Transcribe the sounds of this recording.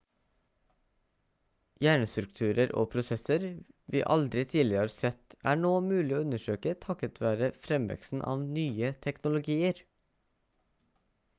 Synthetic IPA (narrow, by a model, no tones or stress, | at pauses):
jæːɳəst̪ɾʉkt̪ʰʉːɾəɾo̰ːpʰɾʊsɛsəɾʋḭːʔɑld̪ɾɪt̪ʰiːlɪɑɾsɛt̪æːɳoːmʉːlɪoːʉnəʃøːkət̪ʰɑkət̪ʰʋæːɾəfɾɛmʋɛ̰ksn̩ʔɑ̰ːʋnyːət̪ʰɛknʊlʊɡiːəɾ